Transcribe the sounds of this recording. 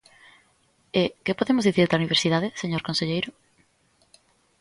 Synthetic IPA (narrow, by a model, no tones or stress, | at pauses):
ɪkɪpoðemʊzðiθiɾt̪auniβ̞eɾsiðaðɪseɲoɾkõnseʎejɾʊ